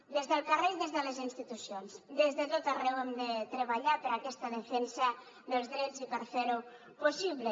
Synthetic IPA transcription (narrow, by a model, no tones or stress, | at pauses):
d̪ezðəlˠkarejðezðələzinst̪it̪usionzd̪ezðət̪ot̪arɛwɛmd̪ət̪ɾəβaʎapəɾakɛst̪əðəfɛnsə | ðəlˠzðɾɛd͡zzipəɾfeɾu | posiβlə